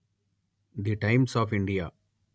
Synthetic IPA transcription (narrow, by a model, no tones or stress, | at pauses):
d̪iʈãɪ̃msɔːfɪ̃ɳɖijaː